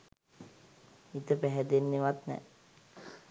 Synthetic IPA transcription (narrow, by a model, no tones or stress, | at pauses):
it̪əpæɦɛd̪enːeʋat̪nɛ̰